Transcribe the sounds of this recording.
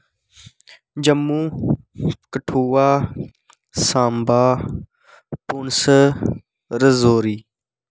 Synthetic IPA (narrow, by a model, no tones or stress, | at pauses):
d͡ʑɐmːũː | kəʈʰuːwaː | sãːmbaː | punsə | ɾəzoːɾiː